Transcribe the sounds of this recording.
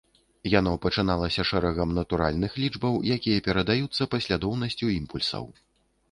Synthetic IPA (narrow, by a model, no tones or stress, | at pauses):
janɔpɐt͡ʂɨn̪alˠɐsʲɐʂɛɾɐɣɐmnɐt̪uɾa̰lʲnɨxlʲid͡ʐbɐwjakʲijɐpʲɛɾɐd̪ajut̪sːɐpɐsʲlʲad̪ɔwnɐsʲt͡sʲuimpulʲsɐ̰w